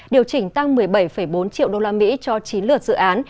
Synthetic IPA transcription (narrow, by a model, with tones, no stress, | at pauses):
ɗi˨˩əwt͡ɕï˧˩ŋ̟t̪a˧ŋmɨ˨˩əjɓə˧˩jfə˧˩jɓo˨˦nt͡ɕḭ˧˨əwɗo˧laː˧mḭ˧˥t͡ɕɔ˧t͡ɕi˨˦nlɨ˨˩ək̚zɨ̰˧˨ʔaː˨˦n